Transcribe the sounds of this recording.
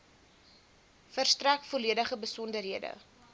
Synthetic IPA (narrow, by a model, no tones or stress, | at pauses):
fərstrækfoliədəχəbəsɔndəɾɦiədə̰